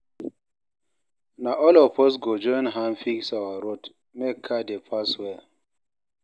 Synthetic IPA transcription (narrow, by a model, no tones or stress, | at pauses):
naʔɔlɔpɔs̬ɡod͡ʒɔnɦanfiksawaɾot | mɛkʰadepʰaswɛ